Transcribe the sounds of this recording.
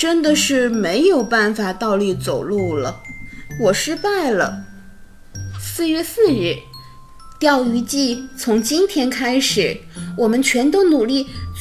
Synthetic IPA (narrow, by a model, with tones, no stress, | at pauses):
ʈ͡ʂə˥nd̪ə˨ʂɻ̩˥˩me˧˥ɪjo˨˩ʊpa˥˩nfa˨˩t̪ɑ˥˧ʊli˥˩t͡so˨˩ʊlu˥˩lə̰˩wɔ˨˩ʂɻ̩˥pa˥˩ɪlə̰˩ | sɹ̩˥˧ɥɛ˥˧sɹ̩˥˧ɻɻ̩˥˩ | t̪jɑ˥˩ʊy˧˥t͡ɕi˥˩t͡sʰʊ˧˥ŋt͡ɕi˥nt̪ʰjɛ˥nkʰa˥ɪʂɻ̩˨˩˦wɔ˨˩mə˦nt͡ɕʰɥɛ˧˥nt̪o˥ʊnu˨˩li˥˩